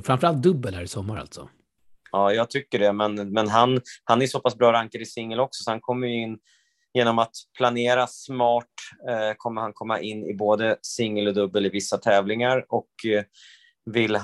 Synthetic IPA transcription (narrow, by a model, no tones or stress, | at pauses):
fɾamfəɾalt̪̚d̪ɵbːəlhæːɾɪsɔmːaɾa̰lt̪sɔ̰ | ɑːjɑːɡ̚t̪ʰʏkːəɖɛmɛnmɛnɦanhanæɾjsɔpasbɾɑːɾaŋkəɾɪsɪŋːəlɔksɔ̥sɔhankʰɔmːəjɵɪnː | jeːnɔmat̪pʰlaneːɾasmɑːʈkʰɔmːəɾhankʰɔmːa̰ʔɪnːɪ̰boːd̪əsɪŋːəlɔd̪ɵbːəlɪvɪsːat̪ʰɛːvlɪŋaɾɔk | vɪlː